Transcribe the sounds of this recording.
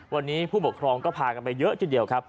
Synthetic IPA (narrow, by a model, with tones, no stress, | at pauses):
wa˧nːiː˦˥pʰuː˥˩pu˨˩kʰɾɔː˧ŋkɔː˥˩pʰaː˧ka˧npa˧jːɤ˦˥ʔt͡ɕʰi˥˩di˨˩əwkʰa˦˥p̚